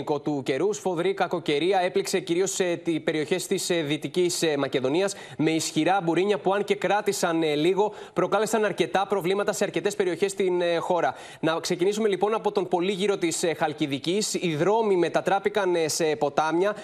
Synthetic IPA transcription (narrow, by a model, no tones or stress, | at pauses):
ko̞t̪uce̞ɾusfo̞ðɾikɐko̞ce̞ɾiɐe̞plikse̞ciɾio̞st̪ipe̞ɾio̞çe̞st̪isðit̪icismɐce̞ðo̞niɐs | me̞isçiɾɐbuɾiɲɐpuɐnce̞kɾɐt̪isɐnliɣo̞pɾo̞kɐle̞sɐnɐɾce̞t̪ɐpɾo̞vlimɐt̪ɐse̞ɐɾce̞t̪e̞spe̞ɾio̞çe̞st̪inxo̞ɾɐ | nɐkse̞cinisume̞lipo̞nɐpo̞t̪o̞mpo̞liʝiɾo̞t̪isxɐlciðicisiðɾo̞mime̞t̪ɐt̪ɾɐpikɐnse̞po̞t̪ɐmɲɐ